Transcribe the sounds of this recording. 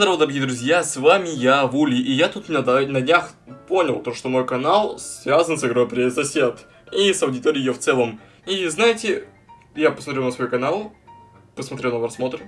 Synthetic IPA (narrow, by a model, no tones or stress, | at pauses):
d̪ɐɾɐvod̪əɾɐɡʲijəd̪ɾʊzʲjasvamʲɪjavulʲɪʔijat̪ut̪mʲɪnʲd̪nədʲnʲax | po̞nʲɪlˠt̪oʂt̪omo̞jkɐnalˠsvʲazənsɨɡɾo̞jpɾʲesɐsʲet̪ | isɐwdʲɪt̪oɾʲɪjːjoft̪sɛlˠəm | iznajɪtʲɪ | japəsmɐt̪ɾʲunəsvojukɐnalˠ | pəsmɐt̪ʲɾʲelnoɾɐsmo̞t̪ɾə